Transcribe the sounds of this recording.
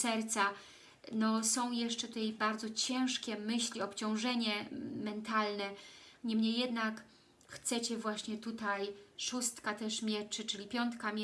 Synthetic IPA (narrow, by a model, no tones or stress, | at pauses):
sɛɾt̪sa | nɔsɔ̃w̃jɛʂt͡ʂɛt̪ut̪ajbaɾd̪zɔt͡ɕɛ̃w̃ʂkʲɛmɘɕlʲiɔpt͡ɕɔ̃w̃ʐɛɲɛmɛnt̪alnɛɲɛmɲejːɛd̪nak | xt̪sɛt͡ɕɛvwaɕɲɛt̪ut̪ajʂust̪kat̪ɛʂmʲjɛt͡ʂɘt͡ʂɘlʲipʲjɔnt̪kamʲ